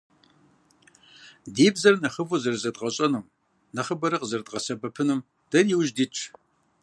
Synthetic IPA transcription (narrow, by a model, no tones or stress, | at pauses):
diːbzɐrnɐχəvuzɐrzɐdʁɐɕʼɐnɨm | nɐχəbɐɾɨqəzɐrdʁɐsɐbɐpʰɨnɨm | d̥ɐrjiwʒdiːt͡ʃʼʰ